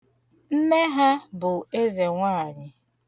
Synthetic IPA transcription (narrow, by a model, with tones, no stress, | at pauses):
m̩˦me˦ɦa˦bʊ˨e˦ze˨ŋʷaː˦a˨ɲɪ˦